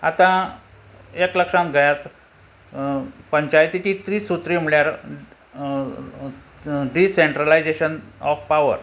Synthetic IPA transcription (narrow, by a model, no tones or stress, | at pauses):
a̰t̪ã | ekləkʂãŋɡʱajat̪ | pəɲt͡ɕajt̪it̪iːt̪ɾiːsut̪ɾiːm̤iɭjaɾ | ɖiseɳʈɾalajd͡ʑeɕənɔfpaʋə̰ɾ